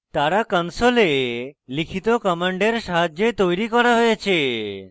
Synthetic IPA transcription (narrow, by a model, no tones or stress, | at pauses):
t̪aɾakɔnsolelikʰit̪okɔmaɳɖeɾʃaɦad͡ʑet̪ojɾikɔɾaɦojet͡ɕʰe